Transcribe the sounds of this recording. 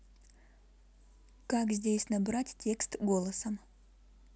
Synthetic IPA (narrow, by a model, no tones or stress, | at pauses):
kakzʲdʲesʲnabɾatʲtʲːe̞kst̪ɡo̞lˠəsəm